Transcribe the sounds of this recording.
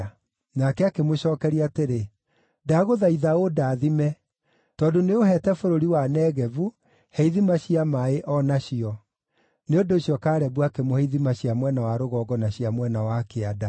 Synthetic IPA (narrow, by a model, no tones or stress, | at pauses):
nakɛakemoɕɔːkɛɾiateɾe | daɣoðaiðaodaːðimɛ | tɔːndoneoɦɛtɛfoɾoɾiwanɛːɣɛvu | hɛiðimaɕiamaeʔɔnaɕiɔ | neondoːɕiɔkaːɾɛbwakemohɛiðimaɕiamwɛnawaɾoɣɔːɡɔnaɕiamwɛnawakeada